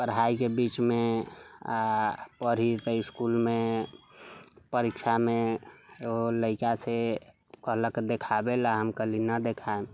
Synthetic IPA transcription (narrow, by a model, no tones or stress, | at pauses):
pəɾɦaikebit͡ʃme | pəɾ̤it̪əɪskulme | pəɾikʃʰame | ɦoləɪkase | kələkd̪ekʰabelaɦəmkəlinəd̪ekʰaem